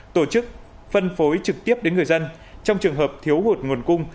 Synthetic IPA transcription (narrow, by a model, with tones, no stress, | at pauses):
t̪o˧˩t͡ɕɨ˦˥k̚ | fə˧nfo˨˦jt͡ɕɨ˨˩k̚t̪i˦˥əp̚ɗe˨˦nŋɨ˨˩əjzə˧n | t͡ɕɔ˧wŋ͡mt͡ɕɨ˨˩əŋɦəː˨˩p̚t̪ʰi˨˦əwɦu˨˩t̚ŋo˨˩ənkʊ˧ŋ͡m